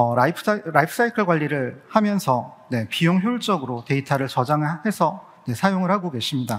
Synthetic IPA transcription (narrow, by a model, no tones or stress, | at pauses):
ʌɾaipʰɾaipʰɯ̥s͈ʰaikʰɯɭɡwaʎːiɾɯɭhamjʌnsʰʌne̞pijoŋçjoɭt͡ɕ͈ʌɡɯɾote̞itʰaɾɯɭt͡ɕʌd͡ʑaŋɯɭhe̞sʰʌ | ne̞sʰajoŋɯɭhaɡoɡe̞ɕʰimɲida